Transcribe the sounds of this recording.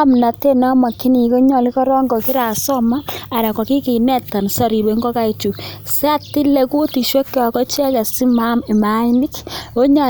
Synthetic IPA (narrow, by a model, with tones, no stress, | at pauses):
mna˨te˦na˦ma˨ki˦ni˨ko˦ɲɔ˨li˦kɔ˦ɾɔ˦ŋɡɔ˨ki˦ɾa˨sɔ˦maː˦˨ɾa˨kɔ˨ki˦ki˨nɛ˦ta˨nsɔ˨ɾi˨be˨ŋɡo˦ka˦i˨t͡ʃu˨se˦a˦ti˦le˨ku˦ti˨ʃwe˦kːɔ˨kɔ˦t͡ʃɛ˦ka˨si˦ma˦mi˨ma˨˦i˦ni˦ko˦ɲɔ˨